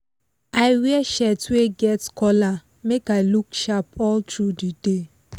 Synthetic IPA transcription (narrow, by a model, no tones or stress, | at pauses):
aɪwiɛʃɛtweɡɛtkɔla | mekaɪlukʃapɔltɹudide